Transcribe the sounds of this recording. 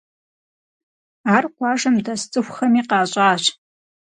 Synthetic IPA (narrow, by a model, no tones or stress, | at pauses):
aːrqʷɑːʒɐmdɐst͡sʼɨxʷxɐmiːqɑːɕʼaːɕ